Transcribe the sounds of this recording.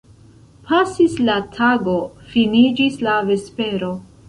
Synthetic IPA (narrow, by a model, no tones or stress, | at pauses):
pʰasislatʰaɡo̞finid͡ʒislave̞spe̞ɾo̞